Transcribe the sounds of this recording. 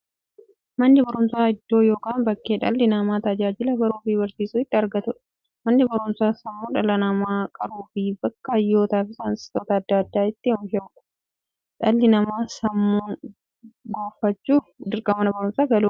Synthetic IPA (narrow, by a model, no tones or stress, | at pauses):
mɐnːɪbɐɾʊmsaːɪd̪ːo̞ːjo̞ːkʼaːnbɐkːe̞ːᶑɐ̰lːɪnɐmaːt̪ɐd͡ʒaːd͡ʒɪlɐbɐɾuːfibɐɾsiːsuːɪt̪ːɪɐɾɡɐt̪ʊᶑ | mɐnːɪbɐɾʊnsaːsɐmːuːᶑɐlɐnɐmaːkʼɐɾuːfibɐkːɐɐjːo̞ːt̪aːfɪsɐnsɪ̥oːt̪ɐɐd̪ːɐɐd̪ːaːɪt̪ːɪmʃɐkʊ̥ | ᶑɐlːɪnɐmaːsɐmːuːn | ɡoːfːɐt͡ʃːuːd̪ɪɾkʼɐmɐnɐbɐɾʊmsaːɡɐluː